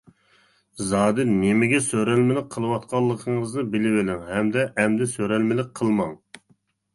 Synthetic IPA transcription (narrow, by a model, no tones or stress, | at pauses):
zɑːd̪ɨnɪmɪɡʲɛsøɾɛlmɪlɪk̚ʲqʰːəlˠɨwɑt̪̚qʰɑlˠːəqʰəŋəznɨbɪlɪwɪlɪŋhɛmd̪ɛʔɛmd̪ɪsøɾɛlmɪlɪk̚ʲqʰəlˠmɑŋ